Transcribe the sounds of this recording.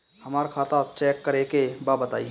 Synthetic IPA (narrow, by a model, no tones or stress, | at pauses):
həmaːɾkʰat̪at͡ʃɛkːəɾekebabət̪aːi